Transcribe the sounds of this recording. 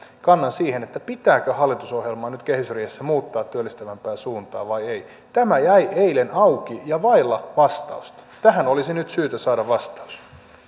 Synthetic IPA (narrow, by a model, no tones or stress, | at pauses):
kɑnːɑnsiːhenet̪ːæpit̪æːkøhɑlːˑit̪usohjelmɑːnyt̪kehysriːhesːæmuːt̪ːɑːt̪ːyølːist̪æʋæmpæːsuːnt̪ɑ̰ːʋɑiei | t̪æmæjæiʔeilenɑukijɑʋɑilːɑʋɑst̪ɑ̰ust̪ɑ̥t̪æɦænolisinyt̪syːt̪æsɑːdɑʋʋɑst̪ɑu̥s